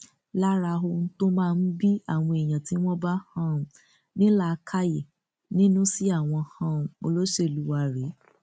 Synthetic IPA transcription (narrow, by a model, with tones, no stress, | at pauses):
la˦ɾa˧ɦo˧n̩˦to˦mãː˦˧n̩˦bi˦a˦˨w̃ɔ̃˧e˨j̃ã˨ti˨˦w̃ɔ̃˦ba˦hã˦ũ˨ | nĩ˦la˦˨˧kʰa˦je˨ | nĩ˦nũ˦si˦a˦˨w̃ɔ̃˧hã˧ũ˨o̰˧lo˦ʃe˦˨lu˨˦wa˧ɾe˨˦